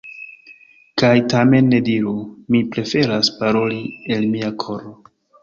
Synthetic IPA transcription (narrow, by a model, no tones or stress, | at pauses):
kajtame̞nːe̞diɾumipɾe̞fe̞ɾaspaɾo̞lielmiakʰo̞ɾo